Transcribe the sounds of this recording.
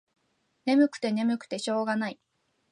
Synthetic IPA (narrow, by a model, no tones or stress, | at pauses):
ne̞mɯ̟kɯ̟̥t̪e̞ne̞mɯ̟kɯ̟̥t̪e̞ɕo̞ːɡanai